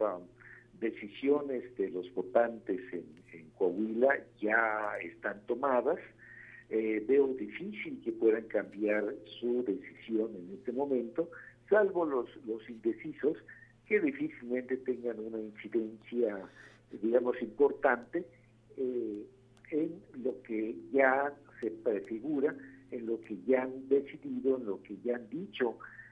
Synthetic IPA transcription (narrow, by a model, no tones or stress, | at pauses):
ad̪e̞sisjone̞zd̪e̞lo̞zβo̞t̪ant̪e̞seneŋkwawilaʝaḛst̪ant̪o̞maðas | ebe̞oðifisilke̞pwe̞ðaŋkambjaɾsuðe̞si̥sjo̞ne̞ne̞st̪e̞mõ̞mẽ̞nt̪o̞salβo̞loslo̞sind̪e̞siso̞s | ke̞ðifisilmẽnt̪e̞t̪e̞ŋɡanunainsiðensja | d̪iɣamo̞simpo̞ɾt̪ant̪e̞ | e | enlo̞keʝase̞pɾe̞fiɣuɾaenlo̞ke̞ʝaand̪e̞siðiðo̞enlo̞ke̞ʝaand̪it͡ʃo̞